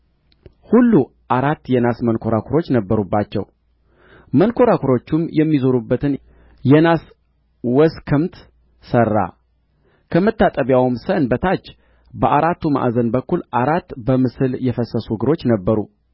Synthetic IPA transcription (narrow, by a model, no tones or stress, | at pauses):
hulːu | ʔaɾat̪ːjɛnasmənkʰo̞ɾakʷʰuɾo̞t͡ʃːnəbːəɾubːat͡ʃːɛ̰w | mənkʰo̞ɾakʰuɾo̞t͡ʃːumjɛmːizoɾubːət̪ʰɨn | jɛnas | wɔskʰɨmt̪ | sərːa̰ | kʰəmət̪ːat̪ʼəβjawmsənbət̪ʰat͡ʃː | bəʔaɾat̪ːuma̰ʔzənbəkːulʔaɾat̪ːbəmɨsɨljɛfəsːəsuɡɨɾo̞t͡ʃːnəbːəɾṵ